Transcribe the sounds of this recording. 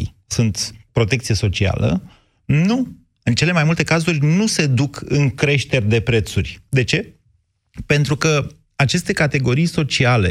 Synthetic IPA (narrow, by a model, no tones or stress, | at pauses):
sunt̪pɾo̞t̪e̞k̚t̪sijeso̞t͡ʃia̰lə̰ | nu | ɨnt͡ʃe̞lemajmult̪ekazurʲnuse̞d̪ukɨŋkɾe̞ʃt̪e̞rʲd̪e̞pɾe̞t̪surʲd̪e̞t͡ʃe̞ | pe̞nt̪ɾukə | at͡ʃe̞st̪e̞kat̪e̞ɡo̞ɾijso̞t͡ʃiale̞̰